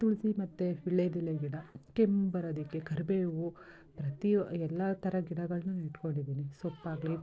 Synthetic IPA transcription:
t̪uɭisimɐt̪ːeiɭːed̪ilːeɡiɽɐkembɐɾɐd̪ikːekʰɐɾbeːʋu | pɾɐt̪iɛlːɐt̪ɐɾɐɡiɽɐɡɐɭɐnuniʈkoɳɖid̪iːnisopːaːɡɭi

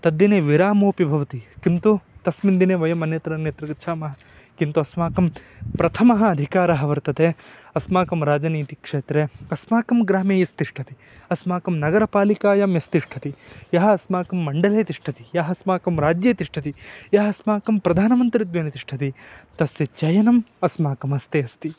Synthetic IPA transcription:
t̪ɐd̪ːjineːʋiɾaːmoːpibʱɐʋɐt̪ikint̪ut̪ɐsmind̪ineːʋɐjɐmɐnjɐt̪ɾɐɐnjɐt̪ɾiɡɐt̪ːʃʰaːmɐɦɐ | kint̪uɐsmaːkɐmpɾɐt̪ʰɐmɐɦɐɐd̪ʱikaːɾɐɦɐʋɐɾt̪ɐt̪eɐsmaːkɐmɾaːd͡ʒɐniːt̪ikʂeːt̪ɾeɐsmaːkɐmɡɾaːmeːjɐst̪iʂʈʰɐt̪i | ɐsmaːkɐmnɐɡɐɾɐpaːlikaːjɐmjɐst̪iʂʈʰɐt̪ijɐɦɐɐsmaːkɐmːɐɳɖɐleːt̪iʂʈʰɐt̪ijaːɦɐsmaːkɐmɾaːd͡ʒjeːt̪iʂʈʰɐt̪ijɐɦɐɐsmaːkɐmpɾɐd̪ʱaːnɐmɐnt̪ɾid̪ʋeːnɐt̪iʂʈʰɐt̪it̪ɐsjet͡ʃɐjɐnɐmɐsmaːkɐmɐst̪eɐst̪i

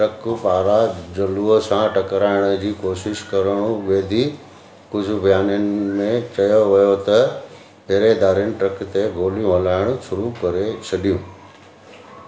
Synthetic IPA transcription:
ʈɾɐkpaːɾad͡ʑɐluːəsãʈɐkɾaːɪɽ̃ə̆d͡ʑiːkoːʃɪʃkɐɾəɽ̃ũʋeːd̪ʱi | kʊd͡ʑʱʊ̆bʱijaːnijənɪmẽt͡ɕɐjoʋɐjot̪ɐ | ɐɦɾed̪aːɾinɪ̆ʈɾɐkt̪eɡʱoːlijũɦɐlaːɪɽ̃ʊʃʊɾukɐɾet͡ɕʰɐɗijũː

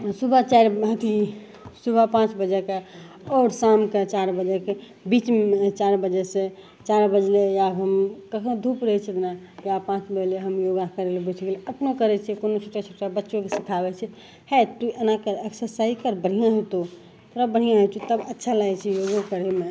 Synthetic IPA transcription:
subʱat͡ʃaɾɦət̪ʰi | subʱapãt͡ʃbəd͡ʒɛke | ɔːɾsamket͡ʃaɾbəd͡ʒɛke | bit͡ʃmt͡ʃaɾbəd͡ʒɛse | t͡ʃaɾbəd͡ʒlejabɦəmkəkʰõd̪ʱupɾəɦɛt͡ʃʰit̪na | japãt͡ʃbəd͡ʒleɦəmjoɡakəɾelebuʈʰɡeleəpnokəɾɛt͡ʃʰɛkonot͡ʃʰoʈat͡ʃʰoʈabətːʃokesi̥kʰabɛt͡ʃʰɛ | hɛt̪uʔənakəɾəksəɾsaikəɾbəɽ̤ijãɦot̪o | t̪ɾəbəɽ̤ijãɦot͡ʃʰit̪əbətːʃʰalajt͡ʃʰɛjoɡokəɾeme

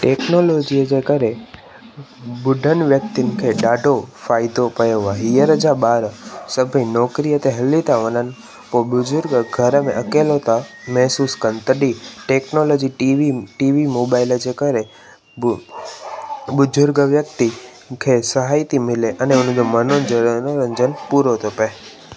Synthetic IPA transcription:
ʈeːknoloːd͡ʑijəd͡ʑeːkəɾe | ʊɖʱənɪ̆ʋjək̚t̪inɪ̆kʰeɗaːɖʱofaːɪd̪opɐjoʋaɦiːəɾəd͡ʑaɓaːɾsəbʱĩnɔːkɾijət̪ʰeɦɐlit̪ʰaʋənənɪ̆ | poɓʊzʊɾɡəɡʱəɾəmḛ̃ʔɐkeːlot̪ʰamɛɦsuːskənɪ̆t̪əɗiʈeːknolod͡ʑiʈʋiʈiːʋimoːbaɪləd͡ʑekəɾe | ɓʊzʊɾɡəʋjək̚t̪i | kʰesəɦaːit̪imɪleʔɐneʊn̤əd͡ʑomənond͡ʑənoɾə̃ɲd͡ʒənɪpuɾot̪ʰopəe

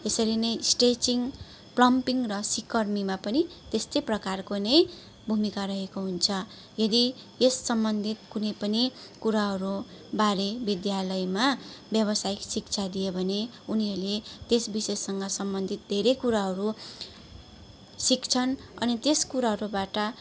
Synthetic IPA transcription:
esʌɾinʌjsʈet͡siŋɡ | plʌmpiŋɡrʌsikːʌrmimapʌnit̪est̪ʌjprʌkarkonʌj | bʱumikaɾʌɦekoɦunt͡sʰʌ | jʌd̪i | esːʌmbʌnd̪ʱit̪̚kunʌjpʌnikuɾaɦʌɾu | baɾebid̪jalʌjmabjʌβʌsajksik̚t͡sʰad̪ijebʱʌne | uniɦʌɾlet̪esbisesːʌŋɡʌsʌmbʌnd̪ʱit̪̚d̪ʱeɾejkuɾaɦʌɾu | sikt͡sʰʌnʌ̰nit̪eskuɾaɦʌɾubaʈʌ

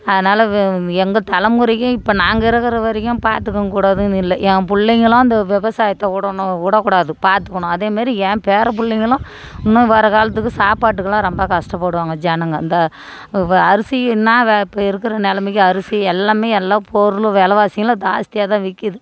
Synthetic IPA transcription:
ɐðɐnaːlɐɛŋɡɐt̪ɐlɐmʊɾɪkːʊ̃ɪpːɐnaːŋɡɐɪɾɐkːɐɾɐʋɐɾɪkːʊ̃paːɾt̪ɯkːɐŋkuːɽaːðɯnɪlːɐʔɛ̃ːpʊɭːɪŋɡɐɭõɐnd̪ɐʋɛʋɐsaːjɐt̪ːɐuɽɐuɽɐkːuːɽaːðɯpaːɾt̪ɯ̥kːɐɳʊ̃ɐðeːmaːɾiɛ̃ːpeːɾɐp̬ʊɭːɪŋɡɐɭõ | ʊnːʊ̃ɪʋːaːɾɐkaːlɐt̪̬ːɯkːɯsaːpaːʈ̬ːɯkːɐlãːɾɔmbɐkɐʂʈɐp̬ːoːɽɯʋaːŋɡɐd͡ʒɛnɐŋɡɐɐ̰nd̪ɐ | ɐɾɯsɪjnːaːʋɪpːɐɪɾɯkːɯɾɐnɛlɐmɪkːɯ̃ɐɾɯsiɛlːaːmeːɛlːaːpʰoɾɯlʋɛːlɐʋaːsɪŋɡɐlɐ̃d̪aːst̪ɪjaːt̪ãːʋɪkːɪðɯ

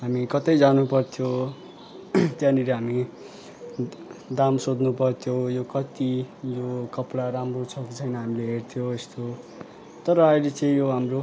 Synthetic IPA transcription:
ɦamikʌt̪ʌjd͡zanupʌrt̪ʰjo | t̪jãniɾeɦami | d̪amsod̪nupʌrt̪ʰjojokʌt̪ijokʌplaɾamrot͡sʰʌkt͡sʰʌjnʌɦamileɦert̪ʰjoest̪o | t̪ʌɾʌːjlet͡sʌĩjoɦamro

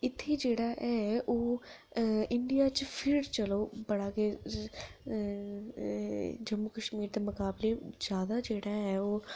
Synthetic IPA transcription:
ɪt̪ʰːeːd͡ʒeːɽaːʔɛːoː | ɪɳɖijaːt͡ʃpʰɪɾɾt͡ʃəloːbəɽaːkeː | d͡ʒəmːukəʃmiːɾd̪eːmʊkaːblezjaːd̪aːd͡ʒeːɽaːɦɛːoː

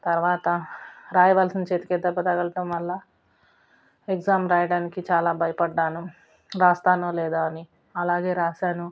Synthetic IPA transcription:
t̪ɐɾʋaːt̪ɐɾaːjɐʋɐlsint͡ʃeːt̪i̥ked̪ɐbːɐt̪ɐɡɐlɐʈɐmʋɐlːɐ | ekzaːmɾaːjɐɽaːnikit͡ʃaːlaːbʱɐjɐpɐɖːaːnu | ɾaːst̪aːnolɛːd̪aːɐni | ɐlaːɡe̞ːɾaːʃaːnu

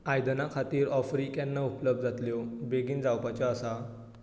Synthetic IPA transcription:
ajd̪nakʰat̪iːɾɔfɾikjanːaupləb̚d̪d͡zʱat̪ljobeɡiːnd͡zawpat͡ɕaːsa

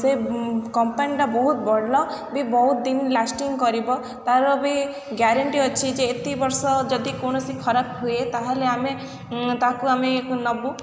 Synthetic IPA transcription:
sekɔmpaniʈabɔɦut̪̚bɔɽlɔ | bibɔɦut̪d̪inlasʈiŋɡkɔɾibɔ | t̪aɾɔbi | ɡjaɾaɳʈiɔt͡ʃʰid͡ʒeːt̪ibɔɾsɔd͡ʒɔd̪ikonɔsikʰɔɾab̚ɦuet̪aɦeleame | t̪akuameknɔbu

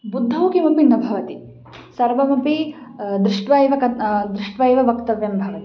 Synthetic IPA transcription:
bud̪ʱːɐwkimɐpinːɐbʱɐʋɐt̪i | sɐɾʋɐmɐpid̪ɾɪʂʈʋɐjʋɐkɐd̪ɾiʂʈʋɐjʋɐʋɐkt̪ɐʋjɐmbʱɐʋɐt̪i̥

